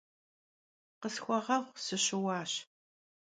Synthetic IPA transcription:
qəsxʷɔʁɐvʷsɨɕɪwɑːɕ

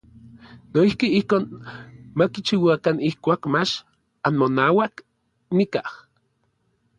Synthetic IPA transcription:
noihkiihkoːnmakit͡ʃiwakanihkʷaːkmat͡ʃ | anmonaːwak | nikah

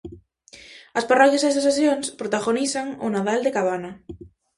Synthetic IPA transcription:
asparɔkjasesasaθjoŋspɾot̪aɣonisaŋonaðald̪ekaβ̞ana

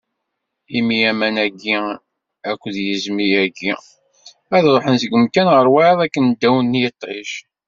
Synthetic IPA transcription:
imiæmænæɡːi | ækʷːðjəzmijæɡḭ | æðɾˤoħənsəɡəmk̪ænʁəɾˤwæðˤækːənd̪ːæwənːjət̪ˤːʕḭʃ

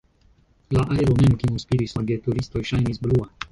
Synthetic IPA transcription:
laʔajɾɔmɛmkimɔspilisaɡɛt̪uɾist̪ɔjʃajnizblua

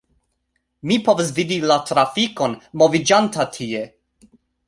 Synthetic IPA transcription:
mipo̞vas̬vidilatɾafiko̞nmo̞vid͡ʒantatʰie

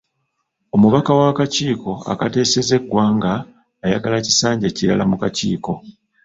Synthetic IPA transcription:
o̞muβakawakaciːko̞a̰kate̞ːse̞ze̞ɡːwaːŋɡaː | jaɡalaci̥saːɲɟeciɾalamukacḭːko̞

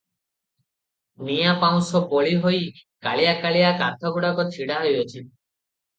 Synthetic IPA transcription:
nijapaw̃sɔboɭiɦojkaɭijakaɭijakat̪ʰɔɡuɽakɔt͡ʃʰiɽaɦojɔt͡ʃʰi

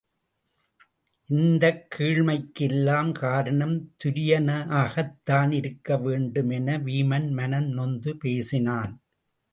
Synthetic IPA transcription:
ʔɪnd̪ɐkʰːiːɻmɐɪkːɪlːaːmkaːɾɐɳɐmt̪ʊɾɪjɐnɐaːɣɐt̪ːaːnɪɾɯkːɐʋeːɳɖɯmɛnɐʋiːmɐnmɐnɐnnɔnd̪ɯpeːsɪnaːn

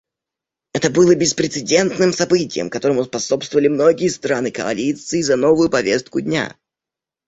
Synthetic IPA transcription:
ɛt̪əbɨlˠəbʲɪspɾʲɪt̪sɨdʲe̞nt̪nɨmsɐbɨtʲɪ̰jə̰mkɐt̪o̞ɾəmʊspɐsopst̪vəvəlʲɪmno̞ɡʲɪjəst̪ɾanɨkə̰ɐ̰lʲit̪sɨɪzɐno̞vʊjʊpɐvʲest̪̚kʊdʲnʲa̰

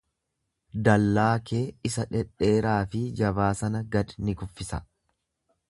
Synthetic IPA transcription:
d̪ɐlːaːkeːɪsɐᶑɛᶑe̞ːɾaːfɪd͡ʒɐbaːsɐnɐɡɐd̪nɪɡʊfːɪsɐ

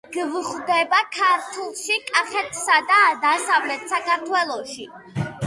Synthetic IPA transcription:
ɡ̥vχd̪ɛbakʰaɾt̪ʰulˠʃikʼaχɛt̪ʰsad̪ad̪asavlɛt̪ʰsakʰaɾt̪ʰwɛlˠɔʃi

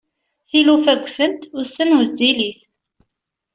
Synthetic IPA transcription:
θilufæɡʷːθənt̪ʊɾsənwəzd̪iliθ

